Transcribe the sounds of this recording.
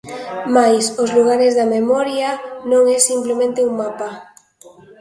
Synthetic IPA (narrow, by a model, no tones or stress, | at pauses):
majsozluɣ̞aɾezðamemɔɾjanõŋɛsimplemẽnt̪euŋmapa